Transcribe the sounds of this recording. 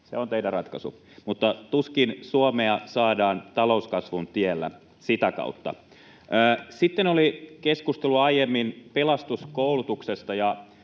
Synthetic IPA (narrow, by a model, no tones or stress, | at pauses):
seont̪eidærɑt̪kɑsṵ | mut̪ːɑt̪uskinsuomeɑsɑːdɑːnt̪ɑlo̞uskɑsʋunt̪ielːæ̰ | sit̪ækɑ̰ut̪ːɑ̰ː | sit̪ːenolikeskust̪eluɑijemːinpelɑst̪uskoulut̪uksest̪ɑjɑ